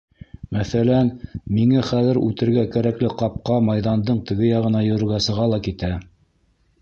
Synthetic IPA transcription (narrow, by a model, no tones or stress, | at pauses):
mæθælænmiŋæχæðɘ̆ɾʉ̰t̪ɘ̆ɾɡækæɾæklɘqɑp̚qɑmɑjðɑnd̪ɤɴt̪ɘ̆ɡɘjɑʁɤ̆nɑjɵ̆ɾɘ̆ɾɡæsɤ̆ʁɑlˠɑkit̪æ